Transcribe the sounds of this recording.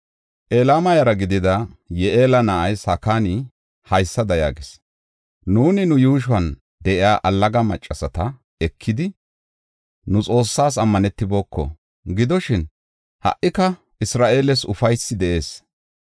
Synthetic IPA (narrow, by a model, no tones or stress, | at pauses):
ʔeːlaːmɐjɐɾɐɡɪd̪ɪd̪ɐjɛʔeːlɐnɐʔɐjshɐkaːnɪ | hɐjsːɐd̪ɐja̰ːɡɪs | nuːnɪnʊjuːʃ̬ʊwɐn | d̪ɛʔɪaːʔɐlːɐɡɐmɐt͡ʃʼːɐsɐt̪ɐ | ɛkʰːɪd̪ɪ | nʊt͡sʼo̞ːsːaːs̬ɐmːɐnɛt̪ːɪbo̞ːkʰːɔ̰ | ɡɪd̪ɔʃɪn | hɐ̰ʔɪkɐ | ɪsɾaːʔe̞ːlɛsʊfɐjsːɪd̪ɛʔe̞ːs